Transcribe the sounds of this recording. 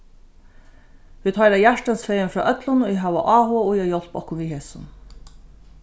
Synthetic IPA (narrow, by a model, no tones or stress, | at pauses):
ʋiːt̪hɔjɾajæʂʈansfeːjənfɾɑːʔœt̪lʊnoɪɦæːʋaʔɑːɦʊʊjajɔl̥pɔhkʊnʋiɦeːsʊn